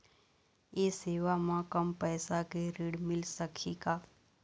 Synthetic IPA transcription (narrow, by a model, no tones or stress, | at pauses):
eːseːʋamãkəmpɛːsakeɾiːɽmɪlsəkʰikaː